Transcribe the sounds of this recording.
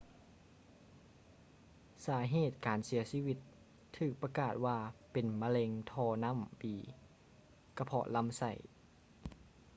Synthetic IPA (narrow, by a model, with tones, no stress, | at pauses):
saː˩˦ɦeː˧˥˩t̪̚kaː˨nsi˨˩˦ɐsiː˧˥˨wi˧t̪ʰː | ɯː˧˩k̚pa˧kaː˧˩t̪̚waː˧pe˨nma˧le˧ŋt̪ʰɔː˧na˧˥˨mbiː˨˩ | ka˧˩pʰɔ̰˧la˧˥˨msa̰˧˩j